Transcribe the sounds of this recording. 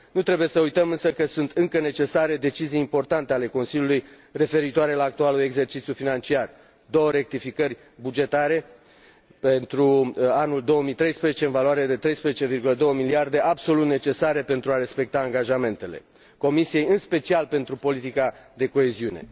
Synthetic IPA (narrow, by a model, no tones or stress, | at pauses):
nut̪ɾe̞buje̞səujt̪əmɨnsəkəsunt̪ɨŋkəne̞t͡ʃe̞saɾe̞d̪e̞t͡ʃizijimpo̞rt̪ant̪e̞ale̞ko̞nsilʲjuluj | re̞fe̞ɾit̪oaɾe̞laːk̚t̪ualue̞ɡze̞rt͡ʃit̪sjufinant͡ʃiar | d̪o̞wəɾe̞k̚t̪ifikərʲ | bud͡ʒe̞t̪aɾe̞ | pent̪ɾuanuld̪o̞woəmit̪ɾe̞jspɾezet͡ʃe̞ɨnvalwaɾejed̪e̞t̪ɾe̞jspɾezet͡ʃevirɡuləd̪o̞wəmiliard̪e̞ʔabso̞lut̪ne̞t͡ʃe̞saɾe̞pe̞nt̪ɾuaɾe̞spe̞k̚t̪aːŋɡaʒame̞nt̪e̞le̞̰ | ko̞misije̞jɨnspe̞t͡ʃialpe̞nt̪ɾupo̞lit̪ikad̪e̞ko̞e̞ziune̞̰